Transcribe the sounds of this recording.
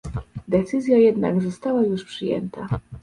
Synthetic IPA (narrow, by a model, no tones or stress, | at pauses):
d̪ɛt̪sɘzʲjajɛd̪na̰ɡzɔst̪awajuʂpʂɘjɛ̰nt̪a